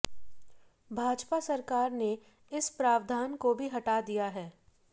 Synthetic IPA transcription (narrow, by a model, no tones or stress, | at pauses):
bʱaːd͡ʒpasɐɾkaːɾne | ɪspɾaːʋd̪ʱaːnkobʱiɦɐʈad̪ijaɦɛː